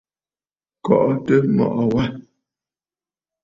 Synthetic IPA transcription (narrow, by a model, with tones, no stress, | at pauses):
kɔ˨ʔɔ˦tə˦mɔ̰˨ʔɔ˨wa˦